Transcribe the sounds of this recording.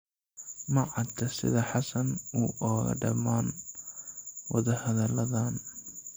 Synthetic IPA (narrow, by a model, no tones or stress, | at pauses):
mɐʕɑt̪ʰɐsɪ̰ðɐħɑsɐnuʔɔːɣɐ̰ɖɐmaːn | wɑðɐhɐðɐlɐðaːn